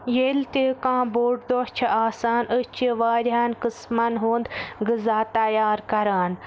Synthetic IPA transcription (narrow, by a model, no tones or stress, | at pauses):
jelt̪eːkãːboːʈd̪oːt͡ʃʰɐʔaːsaːnət͡ʃiʋaːɾʲɦaːnkɨsmɐnɦuːnd̪ɡɨzaːt̪ɐjaːɾkɐɾaːn